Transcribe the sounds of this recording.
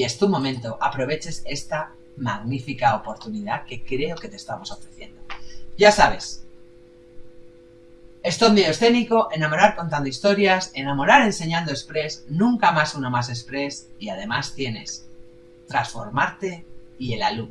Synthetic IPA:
ie̞st̪umõ̞mẽ̞nt̪oʔapɾo̞β̞e̞t͡ʃe̞se̞st̪a | maɣnifikaopo̞ɾt̪unið̞ake̞kɾe̞o̞ke̞t̪est̪amo̞so̞fɾe̞θje̞̰nd̪oʝasaβ̞e̞s | e̞st̪ond̪iosθe̞niko̞ʔenamo̞ɾaɾko̞nt̪̬and̪oist̪o̞ɾjase̞namo̞ɾaɾe̞nse̞ɲãnd̪oespɾe̞snũŋkamasunamase̞spɾe̞siað̞e̞mast̪je̞ne̞s | t̪ɾasfo̞̰ɾmaɾt̪e̞ie̞lalu

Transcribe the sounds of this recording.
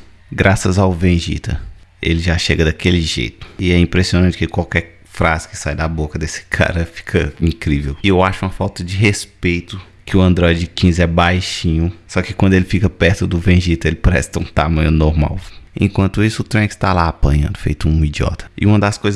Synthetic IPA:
ɡɾasɐzawvẽʒḭt̪ʰɐ̰elɪʒaʃeɡɐd̪akelɪʒḛjt̪ʊ̥ɪɛĩpɾesionɐ̃t͡ʃɪ̥kɪkwawkɛɾ | fɾazɪkɪ̥sajd̪abokɐd̪esɪ̥kʰa̰ɾɐfi̥kʰɐĩkɾivewɪewaʃʊũmɐfawt̪ɐd͡ʒɪɦespejt̪ʊ | kɪʊɐ̃nd̪ɾɔjd͡ʒɪkĩzɛbajʃĩɲʊsɔkɪkwɐ̃nd̪ʊelɪfikɐpɛɾt̪ʊd̪ʊvẽʒit̪ɐelɪpaɾɛ̰st̪ɐũt̪amɐ̃ɲʊnoɾma̰wḛ̃kwɐ̃nt̪ʊisʊːt̪ɾẽkst̪alaapɐ̰̃ɲɐ̰̃nd̪ʊfḛjt̪ʊũid͡ʒiɔ̰t̪ɐ̥ɪ̰ũmɐd̪ɐskojz

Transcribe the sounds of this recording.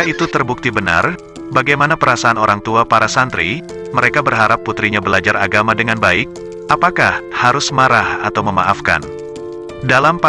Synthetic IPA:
it̪ut̪ərbuk̚t̪ibəna̰r | baɡajmanapəɾasaːnoɾaŋt̪uapaɾasant̪ɾi | məɾekabərɦaɾapːut̪ɾiɲabəlad͡ʒaraɡamadəŋanbaɪk̚ | ʔapakahhaɾʊsmaɾahat̪awməma̰ʔafka̰n | dalamp

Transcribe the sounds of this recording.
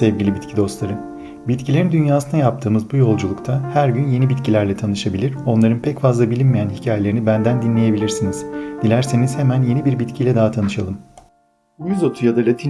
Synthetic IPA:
ɛvɟilʲibit̪ʲcʰid̪o̞st̪lˠaɾɯm | bit̪cʰilʲe̞ɾind̪ynjaːsɯnajap̚t̪ʰɯːmɯzbujo̞lˠd͡ʒulˠukt̪ʰahæɾɟynje̞nibit̪cʰilʲæɾlʲɛt̪ʰanɯʃabilʲiɾo̞nlˠaɾɯnpʰɛcfazlˠabilʲinmijænhicʰaːjelʲeɾinibænd̪ænd̪inlʲe̞je̞bilʲiɾsiniz̥d̪̥ilʲæɾsiniz̥hemænje̞nibiɾbit̪cʰilʲɛd̪aɦat̪ʰanɯʃalˠɯm | bujyzot̪ʰujad̪alʲat̪ʰi

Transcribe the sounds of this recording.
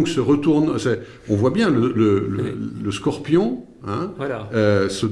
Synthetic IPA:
ksəʁət̪uʁnsɛ | ɔ̃vwabjɛ̃lələlə̰ləskɔʁpjɔ̃ | ɛ̃øsə

